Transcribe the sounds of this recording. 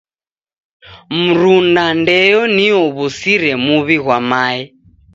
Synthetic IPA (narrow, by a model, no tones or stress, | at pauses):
m̩ɾundandɛjɔniɔβusiɾɛmuβiɣwamaːɛ